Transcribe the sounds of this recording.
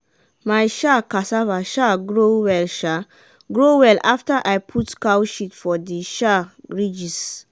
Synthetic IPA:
majʃakasavaʃaɡɹowɛlʃa | ɡɹowɛlʔaftəʔajpʰutkawʃitfɔdiʃaɹid͡ʒis

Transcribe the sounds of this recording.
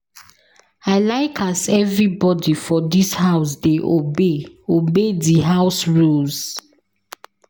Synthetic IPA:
aɪlaɪkʰasɛvɹibɔdifɔdishaʊsdeʔobeobediɦaʊsɹulz

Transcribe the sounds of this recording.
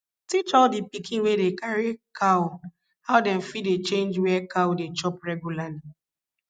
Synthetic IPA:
tit͡ʃɔldipikʰĩnwedekaɹikʰaw | hawdɛ̃mfit̚det͡ʃẽnd͡ʒwɛkawdet͡ʃɔpɹɛɡjulali

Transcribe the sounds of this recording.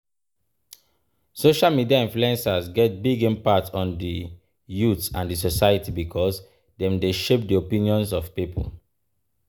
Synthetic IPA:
soʃalmidiaĩnfluɛ̃nsazɡɛt̚biɡẽnpatɔ̃ndi | jutãndisosaɪjətibikʰɔs | dɛ̃mdeʃep̚diopĩniɔ̃nsɔvpipə̰l

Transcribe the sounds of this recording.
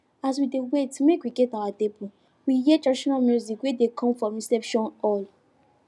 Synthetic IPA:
as̬widewetːumekwiɡɛtawatebu | wiɦiɛtɹaiʃɔnalmjuzikwedekʰɔ̃mfɹɔ̃mɹisɛpʃɔ̃nɔl

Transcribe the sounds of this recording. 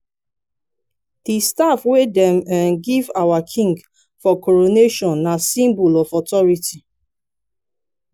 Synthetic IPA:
d̥istafwedɛ̃mɛ̃nɡivawakʰĩŋɡ | fɔkɔɹoneʃɔ̃nːasĩmbɔlɔfɔtɔɹiti

